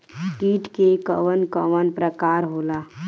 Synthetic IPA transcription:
ʈiːʈkekə̰ʋənkəʋənpɾəkaːɾɦoːlaː

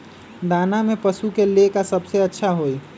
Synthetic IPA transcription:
d̪aːnamẽpəsukeliekasəbseɐtːʃʰaɦoːi

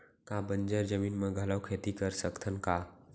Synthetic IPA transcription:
kabə̃nd͡ʒəɾd͡ʒəmiːnmẽɡʱɐlawkʰeːt̪ikəɾsəkt̪ʰənkaː

